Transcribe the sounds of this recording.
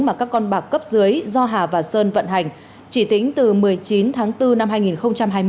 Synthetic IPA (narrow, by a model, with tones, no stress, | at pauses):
maː˨˩kaː˦˥kːɔ˧nɓaː˨˩kːə˦˥p̚zɨ˨˦əjzɔ˧ɦaː˨˩vaː˨˩səː˧nvə̰˧˨nɦa˨˩jŋ̟ | t͡ɕi˧˩t̪ï˨˦ŋ̟t̪ɨ˨˩mɨ˨˩əjt͡ɕi˨˦nt̪ʰaː˨˦ŋt̪ɨ˧na˧mɦaː˧jŋi˨˩nxə˧wŋ͡mt͡ɕa˧mɦaː˧jm˧